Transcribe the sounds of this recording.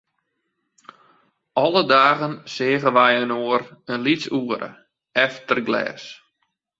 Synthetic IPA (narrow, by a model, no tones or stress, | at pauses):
ʔɔlˠədaːɣənseːɣənʋɛjənoərənlit͡suəɾʔə̰ | ɛftərɡlɛ̰ːs